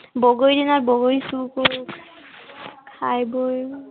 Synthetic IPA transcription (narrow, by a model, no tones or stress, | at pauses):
bɔɡojdinaɹbɔɡojsukoɹk | kʰajboj